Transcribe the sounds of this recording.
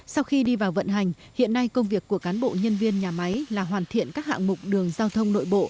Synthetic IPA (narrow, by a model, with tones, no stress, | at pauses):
sa˧wxi˧ɗi˧vaː˨˩wvə̰˧˨nɦa˨˩jŋ̟ | hḭ˧˨ənːa˧jkə˧wŋ͡mvi˨˩əkːu˧˩əkaː˨˦nɓo̰˧˨ɲə˧nvi˧ənɲaː˨˩ma˨˦jlaː˨˩ɦwaː˨˩nt̪ʰḭ˧˨ənkaː˦˥k̚ha̰ː˧˨ŋmʊ˨˩k͡p̚ɗɨ˨˩əŋzaː˧wt̪ʰə˧wŋ͡mno̰˧˨jɓo̰˧˨